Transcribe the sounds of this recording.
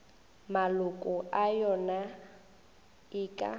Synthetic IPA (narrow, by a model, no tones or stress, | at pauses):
malʊkʼʊʔajɔna | iːkʼa̰